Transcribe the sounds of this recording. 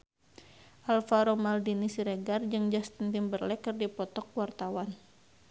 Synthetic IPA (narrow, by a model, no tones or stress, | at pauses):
ʔalfaɾomaldinisiɾeɡard͡ʒɨŋd͡ʒast̪ənt̪imbərlɛkərdipɔt̪ɔk̚wart̪awan